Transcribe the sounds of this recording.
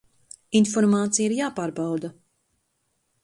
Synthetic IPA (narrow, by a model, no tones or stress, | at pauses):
infɔɾmaːt̪sijaiɾjaːpaːɾbawd̪a